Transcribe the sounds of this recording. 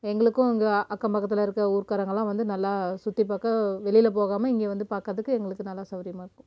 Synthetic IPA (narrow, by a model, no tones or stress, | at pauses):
ɛŋɡɐɭɯkːʊ̃ɪŋɡɐʔɐkːɐmpɐkːɐt̪̬ːɪlɐɪɾɯkːɐuːɾkaːɾɐŋɡɐɭãːʋɐnd̪ɯnɐlːaːsʊt̪ːipaːkɐʋɛɭɪjɪlɐp̬oːɣaːmɐɪŋɡeːʋɐnd̪ɯpaːɾkɾɐðɯkːɯɛŋɡɐɭɯkːɯnɐlːaːsɐʋɐɾɪjɐmaːɪɾɾkːʊ̃